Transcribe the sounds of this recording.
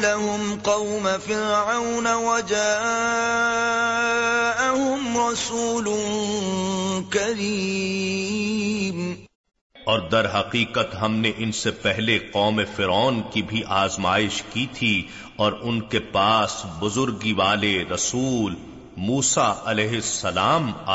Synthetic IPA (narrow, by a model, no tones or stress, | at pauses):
laɦʊmqɑwmafɪɾʕawnawad͡ʒaː | ʔaɦʊmɾˤɑsuːlʊn | kɐɾiː | m | ɔːɾd̪ɐɾɦɐqiːqət̪ɦɐmneʔɪnsepɛɦleqɔːmefɪɾɔːnkibʱiʔaːzmaːɪʃkit̪ʰi | ɔːɾʊnkepaːsbʊzʊɾɡiʋaːleɾɐsuːl | muːsaɐlɛːɦɪsːɐlaːma